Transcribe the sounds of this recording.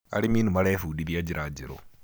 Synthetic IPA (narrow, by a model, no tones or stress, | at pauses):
ɐ̰ɽimiːnumɐɽeːfuːɗibijɐd͡ʒiɾʔaːd͡ʒɛɾo̰